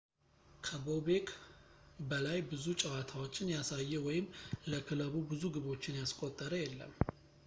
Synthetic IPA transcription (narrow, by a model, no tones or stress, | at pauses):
kʰəbo̞be̞kʰ | bəlajbɨzut͡ʃʼɛwat̪ʰawo̞t͡ʃːɪnjasajːɛwɔjɪmləkʰɨləβubɨzuɡɨβo̞t͡ʃːɪnjaskʼot̪ʼːəɾəjɛlːə̰mː